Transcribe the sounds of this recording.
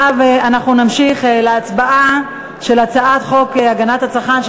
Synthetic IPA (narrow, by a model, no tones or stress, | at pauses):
veanaχnunamʃiχeleat͡sbaʔa | ʃe̞lat͡saʔat̪χo̞keaɡanat̪hat͡saχanʃ